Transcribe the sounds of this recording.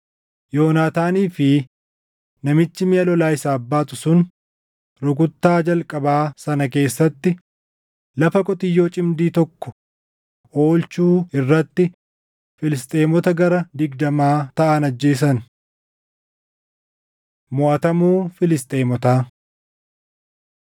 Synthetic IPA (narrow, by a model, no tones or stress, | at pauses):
joːnaːt̪aːniːfɪ | nɐmɪt͡ʃːɪmɪɐlɔlaːɪsaːɐbːaːt̪ʊsʊn | ɾʊɡʊt̪ːaːd͡ʒɐlkʼɐbaːsɐnɐke̞ːsːɐt̪ːɪ | lɐfɐkʼɔt̪ɪjːo̞ːt͡ʃʼɪmd̪iːt̪ɔkːɔ̥ | o̞ːlt͡ʃuːɪrːɐt̪ːɪ | fɪlɪst̪ʼe̞ːmɔt̪ɐɡɐɾɐd̪ɪɡd̪ɐmaːt̪ɐʔɐnɐd͡ʒːe̞ːs̬ɐn | mʊɐt̪ɐmuːfɪlɪst̪ʼe̞ːmɔt̪aː